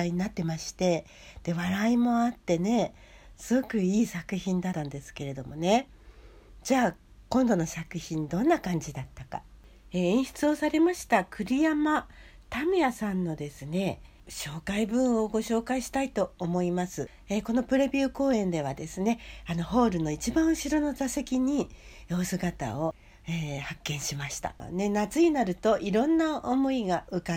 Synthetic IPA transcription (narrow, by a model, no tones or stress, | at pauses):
iɲ̟inat̪ːe̞maɕi̥t̪e̞ | d̪̥e̞βaɾaimo̞at̪ːe̞ne̞ | sɨɡo̞kɯ̟iːsakɯ̟çĩnd̪at̪ːãnd̪e̞sɨ̥ke̞ɾe̞d̪o̞mo̞ne̞ | d͡ʑaː | kõ̞nd̪o̞no̞sakɯ̟çĩnd̪õ̞nːakãɲ̟d͡ʑid̪at̪ːaka̰ | eːẽɕi̥t͡sɨo̞saɾe̞maɕi̥t̪akɯ̟ɾʲijama | t̪amejasãnːo̞d̪e̞sɨne̞ | ɕo̞ːkaibɯ̟̃ɰ̃o̞ɡo̞ɕo̞ːkaiɕi̥t̪ait̪o̞ːmo̞imasɨ | eko̞no̞pɯ̟ɾe̞bʲɨːko̞ːẽ̞nd̪e̞β̞ad̪e̞sɨne̞ano̞ɦo̞ːɾɯ̟no̞it͡ɕibãɰ̃ɯ̟ɕiɾo̞no̞zase̞kʲiɲ̟ioːsɨɡat̪a̰o̞ | eːhakːẽ̞ɰ̃ɕimaɕi̥t̪a̰nenat͡sɨinaɾɯ̟t̪o̞ʔiɾõ̞nːaomo̞iɡaɯ̟ka